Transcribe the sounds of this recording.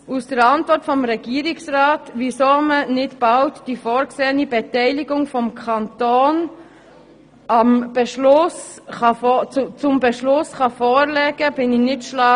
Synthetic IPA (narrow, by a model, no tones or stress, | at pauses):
usd̥əɾɑntʋɔɾtfɔmɾɛɡ̥iːɾɪksrɑːtʋisoːmənɪtb̥ɑʊtd̥ifɔːɾkseːənibɛtɛɪlɪɡʊŋfɔmkʰɑntoːn | ɑmb̥ɛʃlʊsɑfɔt͡st͡sʊmbɛʃlʊsχɑfɔːɾlɛːɡəb̥ɪnɪnɪtʃlɑː